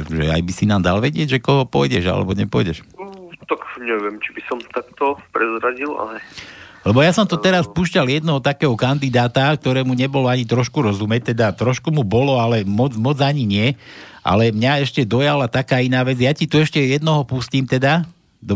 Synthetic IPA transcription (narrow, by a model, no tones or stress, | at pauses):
ʒɛ̰a̰jbisinaːmd̪alʋɛɟɪɛɟʒɛkɔɦɔpɔjɟɛʒa̰lɛ̰bɔɲɛpɔjɟɛʃt̪akɲɛʋɪɛmt͡ʃibisɔmt̪akt̪ɔpɾɛzɾaɟila̰lɛlɛbɔjasɔmt̪ɔt̪ɛɾaspuʃcaljɛd̪nɛɦɔt̪akɛːɦɔkand̪id̪aːt̪ak̚t̪ɔɾɛːmuɲɛbɔlɔaɲit̪ɾɔʃkuɾɔzumɛt̪ɛd̪at̪ɾɔʃkumubɔlɔalɛmɔd͡zmɔd͡zaɲiɲɪɛ | ʔa̰lɛmɲaɛʃcɛd̪ɔjalat̪akaːinaːʋɛd͡zjacit̪uɛʃcɛjɛd̪nɔɦɔpusciːmt̪ɛd̪a | d̪